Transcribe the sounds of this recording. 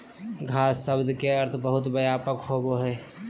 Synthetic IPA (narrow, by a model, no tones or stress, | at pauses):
ɡʱaːsːəbd̪keɐɾt̪ʰbəɦʊt̪bɐjaːpəkɦoːboɦɛː